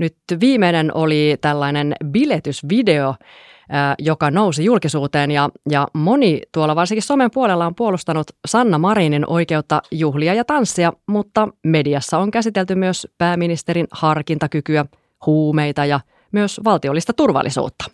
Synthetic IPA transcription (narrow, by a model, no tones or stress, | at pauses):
nyt̪ʋiːmeinenʔo̞lit̪ælːɑinenbilet̪ysʋide̞o | jokɑno̞wsijulkisuːt̪eːnjɑjɑmo̞nit̪uolːɑʋɑrsiŋkiso̞mempuolelːɑompuolust̪ɑnut̪sɑnːɑmɑɾiːninʔo̞jke̞ut̪ːɑjuɦliɑjɑt̪ɑnsːiɑmut̪ːɑme̞diɑsːɑoŋkæsit̪elt̪ymyøspæːminist̪eɾinhɑrkint̪ɑkykyæ | huːme̞jt̪ɑjɑ | myøsʋɑlt̪io̞lːist̪ɑt̪urʋɑ̰lːˑḭsṵːt̪ːɑ̥